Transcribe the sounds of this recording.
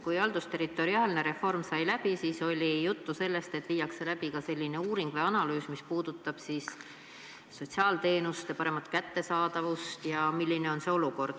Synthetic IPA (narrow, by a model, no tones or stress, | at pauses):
kujɑld̪̥ust̪e̞ɾit̪ːˑo̞ɾiɑːlne̞ɾe̞fo̞rmsɑjlæb̥isiːso̞lʲijut̪ːuse̞lːe̞st̪e̞t̪ːˑviːjɑkse̞læbikɑse̞lʲːine̞uːɾiŋɡ̥ve̞ɑnɑlyːsmispuːd̪̥ut̪ːˑɑb̥siːsː | o̞t̪ʲsiɑːlt̪e̞ːnust̪ɑpɑɾe̞mɑt̪ˑkæt̪ːe̞sɑːd̪ɑvust̪jɑmilʲːine̞o̞nse̞o̞luko̞rd̪̥